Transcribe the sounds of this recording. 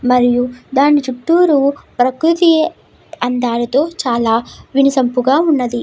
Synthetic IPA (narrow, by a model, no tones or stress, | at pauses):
mɐɾijud̪aːnːit͡ʃuʈːuːɾupɾɐkɾut̪i | ɐnd̪aːɾɐt̪o̞ːt͡ʃaːlaːʋinisɐmpuɡaːunːɐd̪i